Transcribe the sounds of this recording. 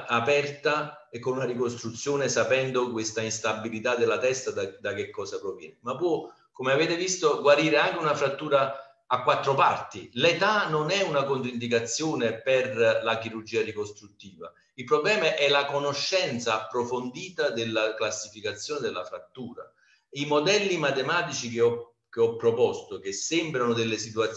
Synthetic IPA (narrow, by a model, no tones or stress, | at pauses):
apɛrt̪a | ekːonunaɾikost̪ɾut̪sːjoːnesapɛnd̪okwest̪ainst̪abːilit̪ad̪elːat̪ɛst̪ad̪ad̪ak̟ekːɔːsapɾovjɛ̰ːnemapːwɔ | komeavɛːt̪evist̪oɡwaɾiːɾeaŋk̟eunafɾat̪ːuːɾa | akːwat̪ːɾopa̰rt̪ilet̪anonɛunakont̪ɾind̪ik̬at̪sːjoːneperlakiɾurd͡ʒiːarikost̪ɾut̪ːiːva̰ | ilpɾoblɛːmaʔɛlakonoʃːɛnt̪saːpːɾofond̪iːt̪ad̪elːaklasːifikat̪sːjoːned̪elːa̰fɾat̪ːuːɾa̰ | imod̪ɛlːimat̪emaːt̪it͡ʃikeɔ | k̟eɔpːɾopɔst̪okesːɛmbɾanod̪elːesit̪uat̪